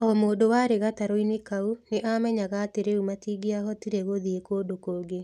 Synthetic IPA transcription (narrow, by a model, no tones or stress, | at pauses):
ɔmoːdowaɾeɣataɾoinekauneʔamɛɲaɣaːteɾeumatiːɡeaɦɔtiɾeɣoðiekoːdokoːɡe